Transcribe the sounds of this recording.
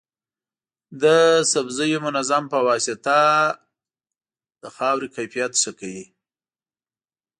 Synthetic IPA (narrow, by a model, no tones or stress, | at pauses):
d̪əsabzəjomʊnazampəwɑsɪt̪a | d̪̥əxɑwɾikajfijat̪səkawi